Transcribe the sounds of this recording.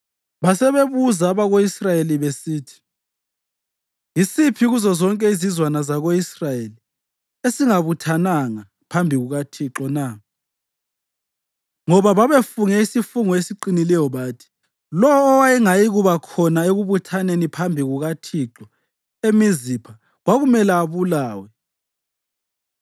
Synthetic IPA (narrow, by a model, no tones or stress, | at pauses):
βasɛβeβuzaːβaɣoisrajeliβesiːtʰi̥ | isipʰiɣuzɔzɔŋkʼɛizizwanazaɣoisrajeli | esiŋaβutʰanaŋa | pʰambʱiɣuɣatʰiǁɔna | ŋɔβaβaβefuŋɛisifuŋɔesiǃinilɛjɔβaːtʰi̥ | lɔwɔːwajiŋajiɣuβakʰɔnaeɣuβutʰanenipʰambʱiɣuɣatʰiǁɔ | emizipʰa | ɣwaɣumɛlaːβulaːwɛ